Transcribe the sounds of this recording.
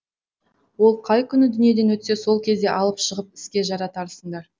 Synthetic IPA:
wo̞lˠqʰɑjkʲʰʏnɪd̪ʏnije̞d̪e̞nwɵt̪se̞so̞lˠkʲʰe̞zd̪e̞ʔɑlˠəpʃəʁəp̚ɪ̥skʲe̞ʒɑɾɑt̪ʰɑɾəsəɴd̪ɑɾ

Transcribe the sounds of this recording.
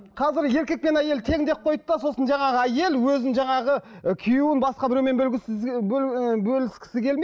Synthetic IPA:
qʰɑzɪɾje̞ɾkʲe̞k̚pe̞næje̞lt̪ʰe̞ŋd̪e̞p̚qʰo̞jt̪əd̪ɑso̞sənʒɑɴɑʁəæje̞lwɵzɪnʒɑɴɑʁəkʲʰijuwɪnbɑsqɑbɪɾewmenblɡʲɪ | bɵlɪskʲɪ̥sɪkʲʰelme

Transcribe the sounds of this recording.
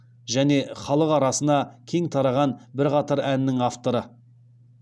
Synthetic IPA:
ʒæne̞χɑlˠəqɑɾɑsənɑkʲʰe̞ŋt̪ʰɑɾɑʁɑnbɪɾqɑt̪ɑɾænːɪŋaft̪o̞ɾə

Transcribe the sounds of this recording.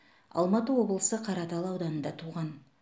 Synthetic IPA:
ɑ̰lˠmɑt̪əwo̞blˠəsəqʰɑɾɑt̪ɑlˠɑwd̪ɑnənd̪ɑt̪ʰuʁɑn

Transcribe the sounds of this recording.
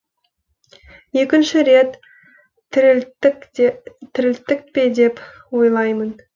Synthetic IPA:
je̞kʲɪnʃɪɾe̞t̪ | tʰːɪɾɪlt̪ːɪk̚pe̞d̪e̞p | wo̞jlˠɑjmən

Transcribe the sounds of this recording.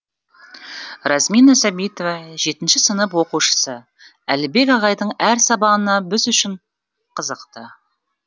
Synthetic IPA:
ɾɑsmijnɑsæbijt̪ovɑʒe̞t̪ɪnʃɪsənəpwo̞quʃə̥sə | ælɪbe̞kɑʁɑjd̪əɴæɾsɑbɑʁənɑbɪzʏʃɪɴ | qʰəzəqt̪ə

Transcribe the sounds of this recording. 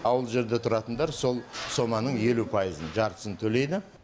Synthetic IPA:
ɑwəlˠʒe̞ɾd̪e̞t̪ʰʊɾɑt̪ənd̪ɑɾso̞lˠso̞mɑnəɴje̞lupʰɑjəzənʒɑɾt̪ə̥sənt̪ʰɵle̞jd̪ɪ

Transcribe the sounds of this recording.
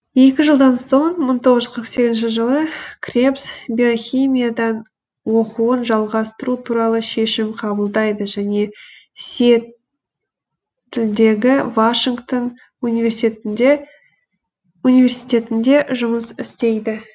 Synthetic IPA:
je̞kʲɪʒəlˠd̪ɑnso̞ɴməɴt̪ʰo̞ʁəzəqʰəɾəqse̞ɡʲɪzɪnʃ̬ɪʒəlˠəkʰrʲepsbeoxʲijmijad̪ɑn | woquənʒɑlˠʁɑst̪əɾut̪ʰuɾɑlˠəʃe̞ʃɪmqʰɑbəlˠd̪ɑjd̪əʒæne̞ | set̪ | ʏld̪e̞ɡʲɪvaʃiŋɡt̪on | univʲe̞rsiet̪ɪnd̪e̞ | unive̞rsijt̪ʲe̞t̪ɪnd̪e̞ʒʊməsɪst̪e̞jd̪ɪ

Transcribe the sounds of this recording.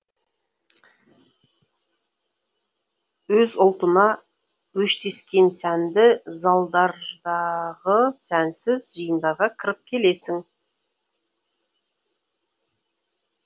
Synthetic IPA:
wɵzʊlˠt̪ənɑ | wɵʃt̪e̞skʲe̞nsænd̪ɪzɑlˠd̪ɑɾd̪ɑʁəsænsɪzʒəjənd̪ɑʁɑkʲʰɪɾɪp̚kʲʰe̞le̞sɪŋ

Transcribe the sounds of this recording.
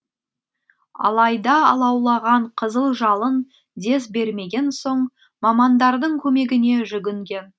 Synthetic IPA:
ɑ̰lˠɑjd̪ɑːlˠɑwlˠɑʁɑɴqʰəzəlˠʒɑlˠən | d̪e̞sbe̞ɾme̞ɡʲe̞nso̞ɴ | mɑmɑnd̪ɑɾd̪əɴkʲʰɵme̞ɡʲɪne̞ʒʏɡʲɪŋɡʲe̞n

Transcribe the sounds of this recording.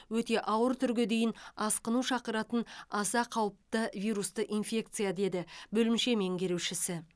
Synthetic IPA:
wɵt̪e̞ʔɑwəɾt̪ʰʏɾɡʲed̪e̞jɪnɑsqənuʃɑqəɾɑt̪ənɑsɑqʰɑwəp̚t̪əvijɾust̪əʔinfʲe̞k̚t̪sɨjad̪e̞d̪ɪbɵlɪmʃe̞me̞ŋɡʲe̞ɾewʃɪsɪ

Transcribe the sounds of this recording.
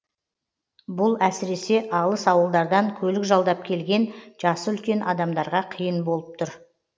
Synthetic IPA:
bʊlˠæsɪɾe̞se̞ʔɑlˠəsɑwəlˠd̪ɑɾd̪ɑŋkʲʰɵlɪkʒɑlˠd̪ɑp̚kʲʰe̞lɡʲe̞nʒɑsəʏlkʲe̞nʔɑd̪ɑmd̪ɑɾʁɑqʰijənbo̞lˠəp̚t̪ʰʊɾ

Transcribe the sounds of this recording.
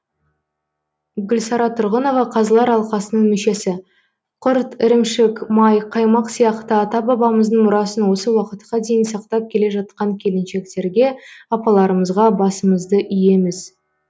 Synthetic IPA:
ɡʲʏlsɑɾɑt̪ʰʊɾʁəno̞vɑqʰɑzəlˠɑɾɑlˠqɑsənəɴmʏʃe̞sɪ | qʰʊɾt̪ɪɾɪmʃɪkmɑjqʰɑjmɑqsijɑqt̪əɑt̪ɑbɑbɑməzd̪əɴmʊɾɑsənwo̞səwɑqət̪qɑd̪e̞jɪnsɑqt̪ɑp̚kʲʰe̞le̞ʒɑt̪̚qɑŋkʲʰe̞lɪnʃe̞k̚t̪e̞ɾɡʲe̞ɑpɑlˠɑɾəməzʁɑbɑsəməzd̪əʔʏje̞mɪz

